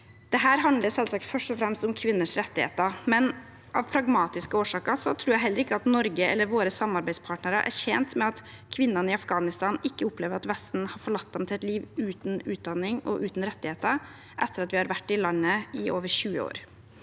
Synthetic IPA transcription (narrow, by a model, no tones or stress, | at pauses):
d̪̥ɛɦæːɾɦɑnd̪ləsɛlsɑk̚t̪fœʂʈɔfɾɛmst̪ʊmkʰʋɪnːəʂɾɛt̪ːɪhḛːt̪ɑmɛn | ʔɑʋpʰɾɑɡmɑːt̪ɪskəoːʂɑːkɑsɔt̪ʰɾuːjæɪɦɛlːəɾɪkːəɑt̪nɔɾɡəɛ̰lːəɾʋoːɾəsɑmɑɾbæɪspʰɑːʈnəɾəʔæ̰ɾʂɛnt̪mɛɑt̪ | kʰʋɪnːɑnɪɑfɡɑːnɪst̪ɑːnɪkːəʊpleːʋəɾɑt̪ʋɛst̪n̩hɑɾfɔɭɑt̪̚ːd̪ɛmt̪ʰɪlɛt̪liːʋʉːt̪n̩ʉːt̪̚d̪ɑnːɪŋɔ̰ʔʉːt̪n̩ɾɛt̪ːɪheːt̪ə | ʔɛt̪ːəɾɑt̪ʋɪhɑɾʋæʈːɪlɑnːəɪʔoːʋəʂʉːəo̰ːɾ